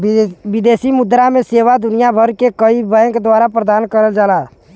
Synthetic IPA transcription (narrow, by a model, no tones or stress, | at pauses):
bɪd̪eːsimʊd̪ɾamẽseːʋad̪ʊnijabʱəɾkekəibɛ̃ːŋkd̪waːɾapɾəd̪aːnkəɾəld͡ʒaːlaː